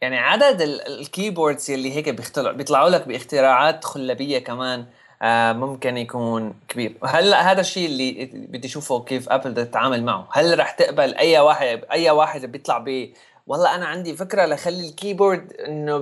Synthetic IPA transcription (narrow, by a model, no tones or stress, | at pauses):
jaʕniʕad̪ad̪ɪlɪ̰lkiːboːɾˤd̪z̥jalːiɦeːkbjɪxt̪alʕbjɨt̪ˤlɑʕuːlak̚bɪʔɪxt̪ɪɾɑːʕaːt̪xʊlːabɪjːakamaːn | mʊmkɪnjakuːnkabiːɾɦalːaʔɦaːd̪aʃːiːʔɪlːibɪd̪ːijʃuːfukeːfʔa̰pld̪at̪ɪt̪ʕaːmalma̰ʕṵhalɾˤɑːħt̪ɪʔbalʔajːawaːħɪd̪ʔajːawaːħɪd̪bjɨt̪ˤlɑʕbiː | wɑlˤːɑʔanaʕand̪ifɪkɾalaxalːilkiːboːɾd̪ʔɪnːo